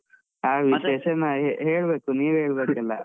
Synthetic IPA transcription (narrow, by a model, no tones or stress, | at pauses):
aːʋiʃeːʃɐnɐɦeɦeːɭbe̞ːkuniːʋɦeːɭbeːkɐlːɐ